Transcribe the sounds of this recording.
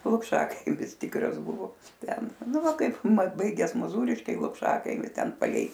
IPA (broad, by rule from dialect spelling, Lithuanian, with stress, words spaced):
lˠʊkˈʃɑːkɐɪmʲɪs ˈtʲiːkrɐs ˈbʊʋoː ˈtʲɛn ˈnʊ ˈʋɐ kɐɪpˈmɐt ˈbɐɪɡʲɛs moːˈzuːrʲɪʃʲkʲɛɪ lˠʊkˈʃɑːkɐɪmʲɪ ˈtʲɛn pɐˈlʲɛɪ